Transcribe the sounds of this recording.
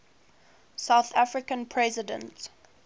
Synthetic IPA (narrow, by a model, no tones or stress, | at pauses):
saʊθafɹɪkə̃npʰɹɛzɪdə̰̃nt